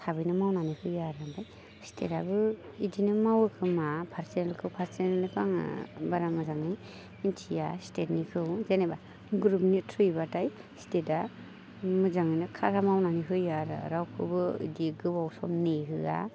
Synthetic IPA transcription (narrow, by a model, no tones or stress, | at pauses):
sʰabɯjnɯmawnanihɯjaɾambaj | stʰḛtabɯ | idinɯmawɯkʰɯmapʰaɾsenalkʰɯwpʰaɾsenalɯkʰaŋ̰baɾamɯzaŋnɯj | intʰijastet̚nikʰɯwzeneba | ɡɾup̚nitʰɯjbataj | steta | mɯzaŋɯjnɯkʰaɾamawnaniɦɯjaɾ̰ɾawkʰɯbɯḭdiɡɯbawsɔmneɦɯa̰